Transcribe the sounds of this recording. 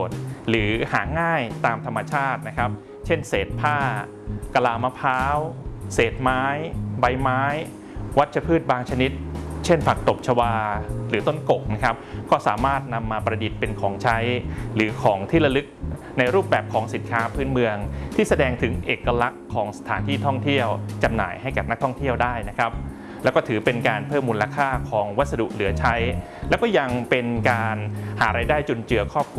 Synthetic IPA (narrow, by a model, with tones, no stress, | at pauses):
t̪̚ɾɯː˩˦haː˩˦ŋaː˥˩jt̪aː˧mt̪ʰa˧mːa˧t͡ɕʰaː˥˩t̪̚na˦˥kʰɾa˦˥p̚ | t͡ɕʰe˥˩nseː˨˩t̪̚pʰaː˥˩ | ka˧laː˧ma˧˥pʰaː˦˥wseː˨˩t̪̚maː˦˥jba˧jmaː˦˥j | wa˦˥t̪̚t͡ɕʰa˧pʰɯː˥˩t̪̚baː˧ŋt͡ɕʰa˧ni˦˥t̪̚t͡ɕʰe˥˩nfa˨˩k̚t̪o˨˩p̚t͡ɕʰa˧waː˧ɾɯː˩˦t̪o˥˩nko˨˩k̚na˦˥kʰɾa˦˥p̚kɔː˥˩sa̰ː˩˦maː˥˩t̪̚na˧mːaː˧pɾa˧di˨˩t̪̚pe˧nkʰɔː˩˦ŋt͡ɕʰa˦˥jɾɯː˩˦kʰɔː˩˦ŋt̪ʰiː˥˩ɾa˧lɯ˦˥k̚ | na˧jɾuː˥˩p̚bɛː˨˩p̚kʰɔː˩˦ŋsi˨˩˦nkʰaː˦˥pʰɯː˦˥nmɯ˧əŋt̪ʰiː˥˩sa˧dɛː˧ŋt̪ʰɯ˩˦ŋʔeː˨˩kːa˧la˦˥kʰːɔː˩˦ŋsa˧t̪ʰaː˩˦nt̪ʰiː˥˩t̪ʰɔ˥˩ŋt̪ʰi˥˩əwt͡ɕa˧mna̰ː˩˦jha˥˩jkaː˨˩p̚na˦˥k̚t̪ʰɔ˥˩ŋt̪ʰi˥˩əwdaː˥˩jna˦˥kʰɾa˦˥p̚ | lɛ˧˦˥wkɔː˥˩t̪ʰɯː˩˦pe˧nkaː˧npʰɤː˥˩mːuː˧la˧kʰaː˥˩kʰɔː˩˦ŋwa˦t̪̚sa˧dṵ˨˩ʔlɯ˨˩˦ɐt͡ɕʰa˦˥j | lɛː˦˥wkɔː˥˩ja˧ŋpe˧nkaː˧nhaː˩˦ɾaː˧jdaː˥˩jt͡ɕo˧nt͡ɕɯ˧ɐkʰɔː˥˩p̚kʰ